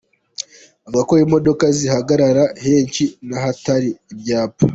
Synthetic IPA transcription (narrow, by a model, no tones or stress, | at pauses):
bɡakoɾimo̞do̞kazihaɡaɾaɾahe̞ːɲcinaɦataɾiːbjaːpa